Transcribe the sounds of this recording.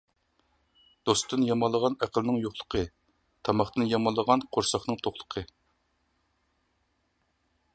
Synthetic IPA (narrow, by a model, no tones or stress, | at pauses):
d̪̥ost̪ɨnjɑmɑlˠːəʁɑnæqʰəlˠnɨŋjoχlˠə̥qʰə | t̪ʰɑmɑχt̪ɨnjɑmɑlˠːəʁɑnqʰoɾsɑχnɨŋt̪ʰoχlˠə̥qʰə